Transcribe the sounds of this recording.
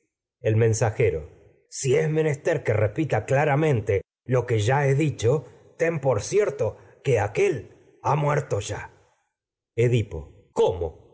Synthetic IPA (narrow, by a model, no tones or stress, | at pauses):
e̞lmẽ̞nsaxe̞ɾo̰ | siezme̞ne̞st̪e̞ɾkerepit̪aklaɾamẽ̞nt̪e̞ | lo̞ke̞ʒae̞ðit͡ʃo̞ | t̪e̞mpo̞ɾsjeɾt̪o̞ | ke̞ake̞l | amweɾt̪o̞ʒa | eðipo̞̰ | komo̰